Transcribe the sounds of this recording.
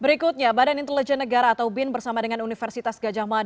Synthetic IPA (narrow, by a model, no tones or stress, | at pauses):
bəɾikʊt̪̚ɲabadanint̪ələd͡ʒɛnːəɡaɾaːt̪awbɪnbərsamadəŋanunifərsit̪asɡad͡ʒamad